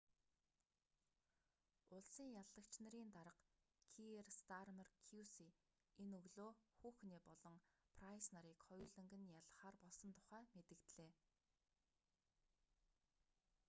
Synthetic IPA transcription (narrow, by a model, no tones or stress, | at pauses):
ʊɮsiːŋjaɮːə̆kt͡ɕnə̆ɾiːnt̪aɾə̆q | kʰierst̪armarkʰjusi | enɵɣɮoːxuːxneːpɔɮɞ̆ŋpʰrajsnaɾiːkχɔjʊːɮɘ̆ŋɡɘ̆njaɮə̆χaːrpɔɮsɞ̆nt̪ʰʊ̥χæːmet̪ɘ̆kt̪ɮeː